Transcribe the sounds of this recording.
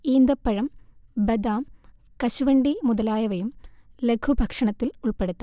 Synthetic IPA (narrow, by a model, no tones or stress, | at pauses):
iːnd̪ɐpːɐɻɐmbɐd̪aːm | kɐɕuʋɐɳɖimuðɐlaːjɐʋɐjumlekʰubʱɐkʂɐɳɐt̪ːiluɭpeɽut̪ːɐ